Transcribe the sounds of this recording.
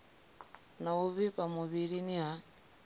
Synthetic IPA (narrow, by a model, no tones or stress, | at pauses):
nauβipamuβiɺiniɦa